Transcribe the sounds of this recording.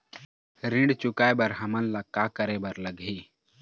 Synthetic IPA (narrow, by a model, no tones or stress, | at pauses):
ɾɪ̃ɳɖt͡ʃʊkaːebəɾɦɐmənlakakəɾebəɾləɡʱi